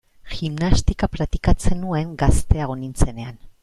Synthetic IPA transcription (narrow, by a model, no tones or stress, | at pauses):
ximnast̪ikapɾat̪ikat͡se̞nue̞ŋɡast̪e̞aɣonint͡se̞ne̞an